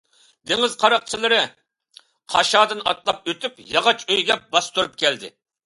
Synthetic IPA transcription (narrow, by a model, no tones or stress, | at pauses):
d̪eŋɪzqʰɑɾɑq̚t͡ʃʰilˠɨɾɨ | qʰɑ̰ʃɑːd̪ɨnɑ̰t̪lˠɑp̚øt̪ʰypjɑʁɑt͡ʃøjɡʲɛbɑst̪ʰuɾup̚kʲɛld̪ɪ̰